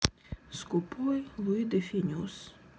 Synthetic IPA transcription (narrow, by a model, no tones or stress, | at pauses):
skupʰɔjlˠuid̪efʲinʲus